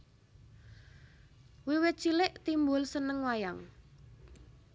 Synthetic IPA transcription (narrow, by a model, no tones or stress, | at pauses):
wiwet͡ʃilɪʔt̪imbʊlsənəŋwajaŋ